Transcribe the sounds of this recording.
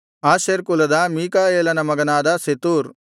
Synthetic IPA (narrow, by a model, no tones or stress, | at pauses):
aːʃeɾkulɐd̪ɐmiːkaːeːlɐnɐmɐɡɐnaːd̪ɐset̪uːɾ